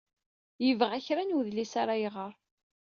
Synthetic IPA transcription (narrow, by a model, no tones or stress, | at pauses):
jəvʁæçɾanuwðlisaɾajʁəɾˤ